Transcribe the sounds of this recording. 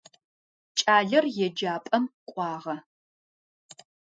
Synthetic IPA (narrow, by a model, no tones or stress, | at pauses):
t͡ʃʼaːɮɐrjɛd͡ʒaːpʼɐmqʷʼɑːʁɐ